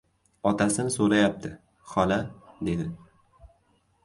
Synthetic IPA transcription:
ɒt̪ʰasɪnɪsoɾajap̚t̪ʰɪ | χɒlad̪e̞d̪ɪ

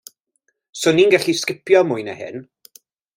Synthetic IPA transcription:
sʊniːnɡɛɬiskɪpʰjɔmʊjnə̰hɪ̰n

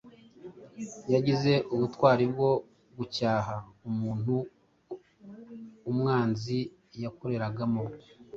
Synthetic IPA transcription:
jaɟize̞ʔuβutwaːɾib̚ɡo̞ | ɡucaːɦaumuːn̥hu | mŋaːnzi | jako̞ɾe̞ɾaɡamo

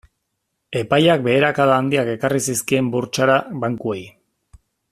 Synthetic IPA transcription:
e̞pajak̚be̞ːɾakaðaːnd̪iake̞karisiskie̞mbuɾt͡ʃaɾaβaŋkue̞j

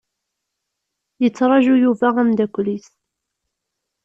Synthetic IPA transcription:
jət͡sːɾˤɑʒujuvæʁæmd̪ækʷlis

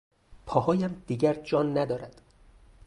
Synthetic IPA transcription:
pʰɒːhɒːjæmd̪̥iːɟæɾd͡ʒɒːnːæd̪ɒːɾæd̪̥

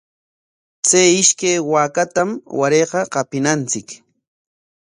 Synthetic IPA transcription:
t͡sajɪʃkajwaːkat̪amwaɾeːqɑqɑpɪnant͡sɪk

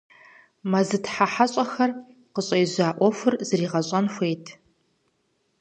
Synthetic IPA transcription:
mɐzɨtʰħaħaɕʼɐxɐr | qəɕʼɐjzʷaːʔʷɔfʷʊrzɨɾiːʁɐɕʼɐnxʷejtʰ

